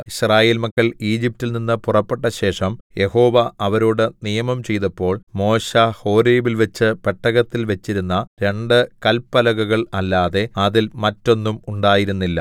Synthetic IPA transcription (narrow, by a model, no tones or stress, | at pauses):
iɕraːje̞ːlmɐkːɐɭiːd͡ʑip̚tːilninːɨpurɐpːe̞ʈːɐɕe̞ːʂɐmjʔe̞ho̞ːʋɐɐʋɐɾoːɽɨnijɐmɐmt͡ɕe̞jt̪ɐpːo̞ːɭmo̞ːɕɐho̞ːɾeːʋilʋɐt͡ɕːɨpeʈːɐɣɐt̪ːilʋet͡ɕːiɾunːɐɾe̞ɳɖɨkɐlpːɐlɐɣuɣɐɭɐlːaːðe̞ɐðilmɐtːo̞nːumuɳɖaːjiɾunːilːɐ̰